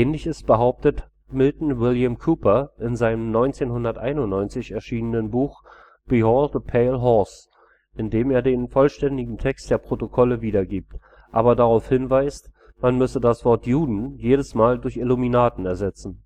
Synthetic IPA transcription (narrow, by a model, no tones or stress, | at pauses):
ʔɛːnlɪçɪstb̥əɦaʊp̚tət | mɪltn̩wɪljamkʰuːpɐʔɪnzaɪnəmnɔʏnt͡seːnhʊndɐtʔa̰ɪnʊntnɔʏnt͡sɪçɛɐʃiːnənənbuːx | b̥iɦɔltəpʰɛɪlɦɔɐs | ʔɪndeːmeːɐdeːnfɔlʃtɛndɪɡŋ̩tʰɛkstd̥eːɐpʁ̥otokʰɔləviːdɐɡiːp̚t | ʔaːbɐdaʁaʊfhɪnvaɪst | manmʏsədasv̥ɔɐtjuːdn̩jeːɾəsmaːldʊɐçɪluminaːtn̩ɛɐzɛt͡sn̩